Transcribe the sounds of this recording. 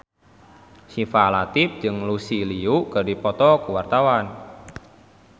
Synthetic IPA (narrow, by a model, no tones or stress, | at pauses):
sifalat̪ɪp̚d͡ʒɨŋlusiliukədipɔt̪ɔkuwart̪awan